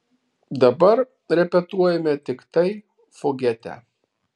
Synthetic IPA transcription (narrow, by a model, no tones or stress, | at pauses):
d̪ɐbɐɾ | ɾʲɛpʲɛt̪uɔjɛmʲɛt̪ʲɪkt̪ɐɪ | fɔɡʲɛt̪ʲæ̰